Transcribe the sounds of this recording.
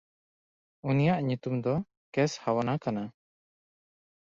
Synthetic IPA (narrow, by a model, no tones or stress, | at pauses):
unijaʔɲut̪umd̪ɔ | kɛshawanakana